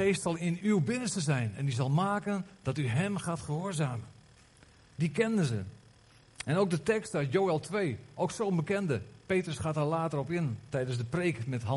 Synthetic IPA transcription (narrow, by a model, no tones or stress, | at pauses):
eːstsɑlˠɪnywbɪnənstəzɛjnɛ̰ndizɑlˠmaːkənd̥ɑtyɦɛmχaːtχəɦoːzaːmən | dikɛndəzə̰ | ɛnowk̚dətɛkstaɥtjoːɛlˠtʋeːʔowksownbəkɛndəpeːtrəsχaːtalaːtərɔpɪntɛjdəns̬dəpreːkmɛtɦɑ